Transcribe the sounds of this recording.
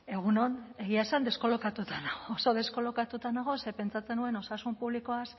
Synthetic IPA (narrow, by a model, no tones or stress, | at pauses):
e̞ɣ̞uno̞ne̞ɣiaesand̪e̞sko̞lo̞kat̪ut̪anaɣoːso̞ðe̞sko̞lo̞kat̪ut̪anaɣ̞o̞se̞pe̞nt͡sat͡se̞nue̞no̞sasumpuβliko̞as